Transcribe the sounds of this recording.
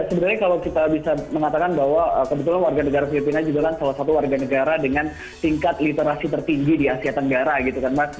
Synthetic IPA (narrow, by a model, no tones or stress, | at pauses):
səbənarɲakalawkit̪abisaməŋat̪akanbaɦwaəkəbət̪̬ulanwarɡanəɡaɾafilipinad͡ʒuɡakansalahsat̪uwarɡanəɡaɾadəŋan | t̪iŋkat̪lit̪eɾasit̪ərt̪iŋɡidiasiat̪ːəŋɡaɾaɡit̪ukanma